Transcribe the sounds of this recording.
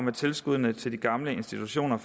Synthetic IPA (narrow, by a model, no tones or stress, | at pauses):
met͡sʰe̝lsɡ̥uð̞̰ˠnət͡sʰe̝ld̥iɡ̥ɑ̈mləe̝nsd̥it͡sʰuɕo̝̰ːnɐf